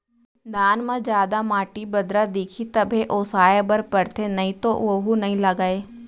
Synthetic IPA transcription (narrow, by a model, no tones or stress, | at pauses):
d̪aːnmãd͡ʒjaːd̪amaːʈibɐd̪ɾad̪eːkʰit̪ɐbʱeʔoːsaːjebəɾpəɾt̪ʰenɐɦĩt̪oʋoɦunɐɦĩlɐɡaːeː